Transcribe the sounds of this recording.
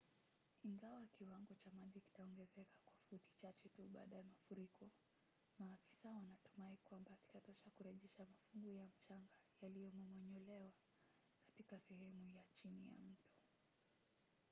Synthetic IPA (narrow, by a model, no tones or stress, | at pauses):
iŋɡawakiwaŋɡɔt͡ʃamaʄiki̥taɔŋɡɛzɛkḁkwafuti̥t͡ʃat͡ʃɛtuɓa̰ːɗajamafuɾikʰɔ | maːfi̥sawanatu̥maikwambaki̥tatɔʃakuɾɛʄɛʃamafuŋɡujam̩t͡ʃaŋɡajalijɔmɔmɔɲɔlɛwa | kḁtikasɛhɛmujat͡ʃinija̰m̩tu̥